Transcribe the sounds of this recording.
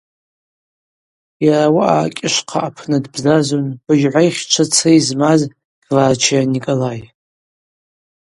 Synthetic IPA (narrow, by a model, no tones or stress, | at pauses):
jaɾawaʔaːkʲʼɪʃqʰaapʰnɨdbzazonb̥ɨʒʕʷajχʲt͡ʃʷʰat͡sʰejzmaz | ɡ̥vaːt͡ʃʰianikʼolaj